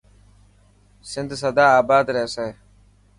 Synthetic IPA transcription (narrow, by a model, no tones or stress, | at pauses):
sɪnd̪səd̪aːaːbaːd̪ɾeːse